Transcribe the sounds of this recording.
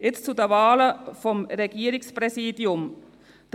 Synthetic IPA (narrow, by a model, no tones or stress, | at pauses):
ɪt̪t͡sud̪əʋɑːləfɔmɾɛɡiːɾɪŋspɾɛsiːd̪jʊm | d̪̥